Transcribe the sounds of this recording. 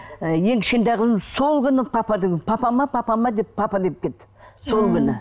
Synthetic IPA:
je̞ŋkʲʰɪ̥ʃkʲent̪ejqʰəzəmzso̞lˠkʲʰʏnɪpʰɑpɑd̪ekʲpʰɑpɑmɑpʰɑpɑmɑd̪e̞pʰːɑpɑd̪e̞p̚kʲe̞t̪ːɪ̥so̞lˠkʲʰʏnɪ

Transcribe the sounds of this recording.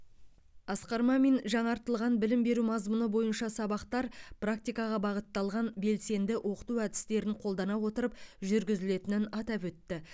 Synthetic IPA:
ɑsqɑɾmɑmenʒɑɴɑɾt̪əlˠʁɑnbɪlɪmbe̞ɾumɑzmʊnəbo̞jənʃɑsɑbɑqt̪ɑɾprak̚t̪ijkɑʁɑbɑʁət̪ːɑlˠʁɑnbe̞lse̞nd̪ɪʔo̞qə̥t̪uæd̪ɪ̥st̪e̞ɾɪɴqʰolˠd̪ɑnɑwo̞t̪əɾəpʒʏɾɡʲɪzɪle̞t̪ɪnɪnɑt̪ɑpwɵt̪ːɪ

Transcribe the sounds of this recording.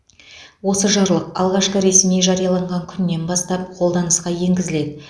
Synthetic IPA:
wo̞səʒɑɾlˠəqɑ̰lˠʁɑʃqəɾe̞smeʒɑɾijɑlˠɑɴʁɑŋkʲʰʏnːe̞nbɑst̪ɑp̚qʰolˠd̪ɑnəsqɑje̞ŋɡʲɪzɪle̞d̪ɪ

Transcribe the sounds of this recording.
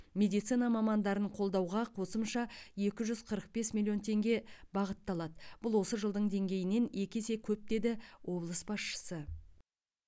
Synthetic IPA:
me̞d̪ijt̪sinɑmɑmɑnd̪ɑɾəɴqʰo̞lˠd̪ɑwʁɑqʰo̞səmʃɑje̞kʲɪʒʏz̥qʰəɾəq̚be̞smʲilʲˠijo̞nt̪ʰe̞ŋɡʲe̞bɑʁət̪ːɑlˠɑd̪əb̥ʊlˠwo̞səʒəlˠd̪əɴd̪e̞ŋɡʲe̞jɪne̞ne̞kʲese̞kʲʰɵp̚d̪e̞d̪ɪwʔo̞blˠəsbɑsʃə̥sə

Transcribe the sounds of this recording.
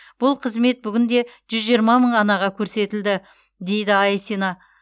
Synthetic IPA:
b̥ʊlˠqʰəzme̞t̪̚bʏɡʲɪnd̪e̞ʒ̥ʏzʒiəɾmɑməɴɑnɑʁɑkʲʰɵɾse̞t̪ɪld̪ɪ | d̪e̞jd̪ɪɑjsinɑ

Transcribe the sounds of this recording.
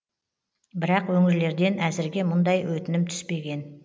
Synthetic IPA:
bɪɾɑqwɵŋɪɾle̞ɾd̪e̞næzɪɾɡʲe̞mʊnd̪ɑjwɵt̪ɪnɪmt̪ʰʏ̥spe̞ɡʲe̞n

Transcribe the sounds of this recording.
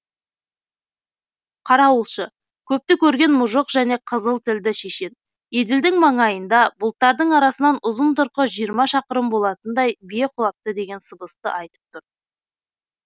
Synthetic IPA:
qʰɑɾɑwəlˠʃə | kʲʰɵp̚t̪ɪkʲʰɵɾɡʲe̞nmʊʒəqʒæne̞qʰəzəlˠt̪ʰɪld̪ɪʃe̞ʃe̞d̪̚ | ed̪ɪld̪ɪŋmɑɴɑjənd̪ɑbʊlˠt̪ːɑɾd̪əɴɑɾɑsənɑnʊzənt̪ʊɾqəʒijəɾmɑʃɑqəɾəmbo̞lˠɑt̪ənd̪ɑjbije̞qʰʊlˠɑp̚t̪əd̪e̞ɡʲe̞nsəbəst̪ə̰ʔɑjt̪ə̥p̚t̪ʰʊɾ

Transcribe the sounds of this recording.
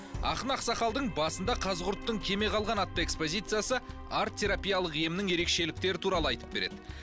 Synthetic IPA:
ɑ̰χənɑqsɑχɑlˠd̪əɴbɑsənd̪ɑqʰɑzəʁʊɾt̪ːəɴkʲʰe̞me̞qʰɑlˠʁɑnɑt̪ːɑe̞kspo̞zʲijt̪sɨjasə | aɾt̪ʲʰːe̞ɾapʲijalˠəqijɪmɪnɪŋje̞ɾe̞kʃe̞lɪk̚t̪e̞ɾɪt̪ʰuɾɑlˠəɑjt̪əp̚be̞ɾe̞d̪ɪ

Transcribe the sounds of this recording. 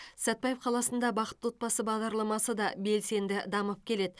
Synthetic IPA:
sæt̪̚bɑjefqʰɑlˠɑsənd̪ɑbɑqə̥t̪wo̞t̪̚pɑsəbɑʁd̪ɑɾlˠɑmɑsəd̪ɑbe̞lse̞nd̪ɪd̪ɑməp̚kʲʰe̞le̞d̪ɪ

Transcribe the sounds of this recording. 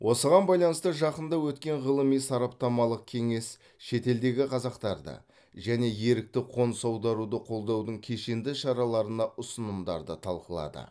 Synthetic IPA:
wʔo̞səʁɑnbɑjlˠɑnəst̪əʒɑqənd̪ɑwɵt̪kʲe̞ɴʁəlˠəmijsɑɾɑp̚t̪ɑmɑlˠəq̚kʲʰe̞ŋe̞s | ʃe̞t̪e̞ld̪e̞ɡʲɪqʰɑzɑqt̪ɑɾd̪ə̰ | ʒæne̞je̞ɾɪk̚t̪ɪqʰo̞nsɑwd̪ɑɾud̪əqʰo̞lˠd̪ɑwd̪əɴkʲʰe̞ʃe̞nd̪ɪʃɑɾɑlˠɑɾənɑʊsənəmd̪ɑ̰ɾd̪ət̪ʰɑlˠqəlˠɑ̰d̪ə̰

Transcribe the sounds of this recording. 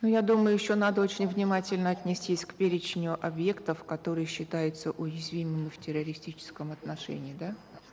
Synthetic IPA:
nujad̪uməjʊjɪɕːonad̪əo̞t͡ɕɪnʲvnʲɪmatʲɪlʲnəɐt̪ʲnʲɪsʲtʲisʲkpʲeɾʲɪt͡ɕnʲʊʔɐbje̞kt̪əfkɐt̪o̞ɾɨjəɕːɪt̪ajʊt̪səʔʊjɪzvʲimɨmʲɪftʲɪɾəɾʲɪsʲtʲit͡ɕɪ̥skəmɐt̪nɐʂɛ̰nʲɪːd̪a

